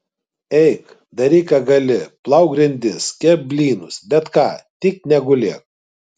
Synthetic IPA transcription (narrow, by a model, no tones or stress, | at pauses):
ɛɪk | d̪ɐɾʲiːkɐɡɐlʲɪplˠɐʊɡɾʲɪnʲd̪ʲɪskʲɛbʲlʲiːnʊsbʲɛt̪kɑːt̪ʲɪknʲɛɡʊlʲeːk